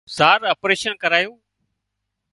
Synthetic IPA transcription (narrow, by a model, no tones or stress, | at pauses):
zaːɾəpɾeːʃənkəɾaːjũː